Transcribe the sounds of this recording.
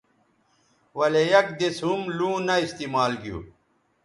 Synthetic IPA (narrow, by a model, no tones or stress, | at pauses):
wɐlejɐk̚d̪esɦumlũːnɐist̪iːmaːlɡijṵː